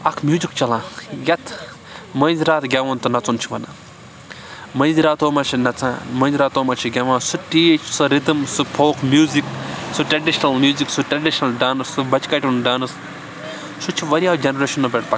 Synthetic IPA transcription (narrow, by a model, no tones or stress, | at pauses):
ɐkʰmjuːzikt͡ʃɐlãːjɐt̪ʰ | mɐ̃ːnziɾaːt̪ɡʲaʋãnt̪unɐt͡sunt͡ʃʰiʋɐnaː | mɐ̃ːnziɾaːt̪oːmat͡ʃʰinɐt͡sã̰ːmɐ̃ːnziɾaːt̪oːmɐt͡ʃʰiɡʲɐʋãːsuʈiːt͡ʃʰsɨɾit̪ɨmsɨpʰoːkʰmjuːziksuʈɾɐɖiʃnɐlmjuːziksuʈɾɐɖiʃnɐlɖaːnɐssɨbɐt͡ʃkaʈʲunɖaːnɐs | sut͡ʃʰiʋɐɾiaːd͡ʒɐnɾeʃɐnːobʲeʈpɐk